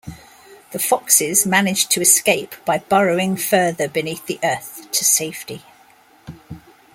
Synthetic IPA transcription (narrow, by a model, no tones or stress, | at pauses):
ðəfɒksɪzmanɪd͡ʒtʰəɪskeɪpb̥aɪb̥ɒɹəʊɪ̃ŋfɜːðəbɪniˑθðiʔɜˑθtʰəseɪfti